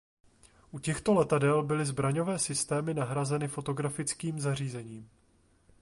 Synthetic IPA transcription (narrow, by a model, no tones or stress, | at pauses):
ʔucɛxt̪o̞lɛt̪adɛlbɪlɪzbɾaɲo̞vɛːsɪst̪ɛːmɪnaɦɾazɛnɪfo̞t̪o̞ɡɾafɪt͡skiːmzariːzɛɲiːm